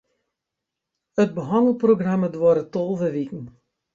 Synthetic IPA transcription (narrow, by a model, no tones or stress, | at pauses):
əd̚bəɦɑndəl̩ˠproɡramədwɔɾətolˠvəʋikn̩